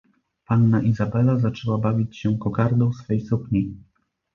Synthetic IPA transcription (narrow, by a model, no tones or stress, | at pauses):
panːaʔizabɛlazat͡ʂɛwabavʲit͡ɕɕɛkɔkaɾd̪ɔ̃w̃sfɛjsupɲi